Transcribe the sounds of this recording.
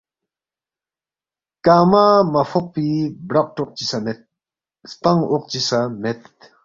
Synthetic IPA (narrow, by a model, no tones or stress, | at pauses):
kamamɐfʰɔq̚pibɾak̚ʈɔq̚t͡ʃisamet̪̚ | spaŋɔq̚t͡ʃisamet̪